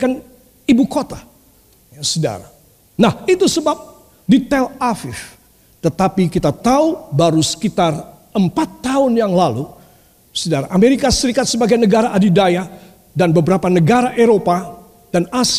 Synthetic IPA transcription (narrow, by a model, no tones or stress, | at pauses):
kan | ibukot̪a | jasəda̰ɾa | nahit̪usəbap̚ | dit̪ɛlafɪf | t̪ət̪apikit̪at̪aubaɾusə̥kit̪ar | əmpat̪ːaʊnjaŋlalu | sədaɾa̰ʔameɾikasəɾikat̪̚səbaɡajnəɡaɾaʔadidaja | danbəbəɾapanəɡaɾaʔeɾopa | d̥anas